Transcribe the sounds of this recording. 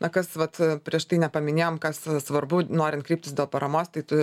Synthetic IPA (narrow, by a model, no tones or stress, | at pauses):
nɐkɐsʋɐt̪pʲɾʲiɛʃt̪ɐɪnʲɛpɐmʲɪnʲeːjoːmkɐssʋɐrbʊnoːɾʲɪnt̪kɾʲiːpʲtʲɪsd̪ʲeːlˠpɐɾɐmoːst̪ɐɪt̪ʊ